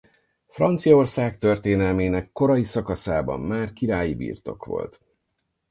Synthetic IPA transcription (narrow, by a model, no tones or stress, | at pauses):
frɒnt̪sijɒo̞rsaːk̚t̪ø̞rt̪eːnɛlmeːnɛkːo̞ɾɒjisɒkɒsaːbɒ̰mːaːrkiɾaːjibḭːrt̪o̞̰kʋo̞̰lt̪